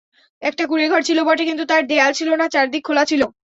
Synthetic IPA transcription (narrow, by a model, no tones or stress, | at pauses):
ɛk̚ʈakuɾeɡʱɔɾt͡ɕʰilobɔʈekint̪ut̪aɾd̪ealt͡ɕʰilonat͡ɕaɾd̪ik̚ʰːolat͡ɕʰilo